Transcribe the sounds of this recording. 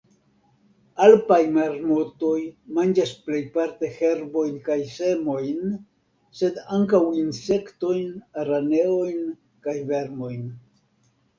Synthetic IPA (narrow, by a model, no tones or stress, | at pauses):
alpajmaɾmoto̞jmand͡ʒasple̞jpaɾte̞he̞ɾbo̞jnkajse̞mo̞jn | se̞daŋkawinse̞kto̞jnaɾane̞o̞jn | kajve̞ɾmo̞jn